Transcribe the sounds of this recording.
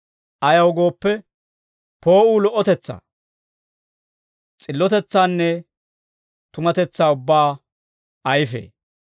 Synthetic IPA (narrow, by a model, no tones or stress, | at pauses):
ʔɐjɐwɡo̞ːpːɛ | po̞ːuːlɔʔːɔt̪ɛt͡sːa̰ː | t͡sʼɪlːɔt̪ɛt͡sːaːnːɛ | t̪ʊmɐt̪ɛt͡sːaːʊbːaː | ɐjɪfḛː